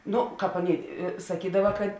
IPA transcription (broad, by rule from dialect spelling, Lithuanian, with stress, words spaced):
ˈnoː ˈkɑːp ˈɑːˌnʲeːɪ sɐˈkʲiːdɐʋɐ kɐt